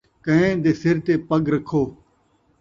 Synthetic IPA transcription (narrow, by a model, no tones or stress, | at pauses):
kə̃ɦẽːd̪eːsɪɾt̪eːpəɠɾəkʰoː